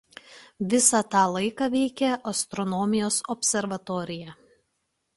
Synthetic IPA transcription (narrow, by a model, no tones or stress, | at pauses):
ʋʲɪsɑt̪ɑːlˠɐɪkɑːʋʲɛɪkʲɛʔɐst̪ɾɔnɔmʲɪjoːsɔpʲsʲɛɾʋɐt̪ɔːɾʲɪjɛ